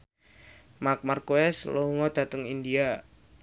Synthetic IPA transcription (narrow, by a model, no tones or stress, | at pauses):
mak̚markoɛslouŋɔd̪̥a̤t̪əŋindia